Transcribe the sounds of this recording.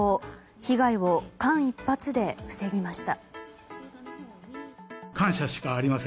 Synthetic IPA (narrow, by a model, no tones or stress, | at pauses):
o | çiɡaiβo̞kãɰ̃ipːat͡sɨd̪e̞ɸɯ̟̥se̞ɡʲimaɕi̥t̪a | kʰãɰ̃ɕaɕi̥kaːɾʲimasẽ